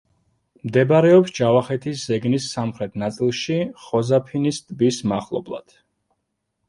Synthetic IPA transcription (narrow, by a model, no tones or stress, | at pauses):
md̪ɛbaɾɛɔpsd͡ʒavaχɛt̪ʰiszɛɡnisːamχɾɛt̪ʰnat̪sʼilˠʃiχɔzapʰinist̪ʼbismaχlˠɔ̰blˠa̰d̪̥